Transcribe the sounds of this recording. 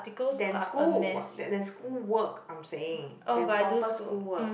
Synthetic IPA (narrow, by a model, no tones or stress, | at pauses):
tikəldɛ̃nskuɛ̃dɛdɛ̃nskulwəkãɪ̃mseɪ̃ŋʔõbadskuwə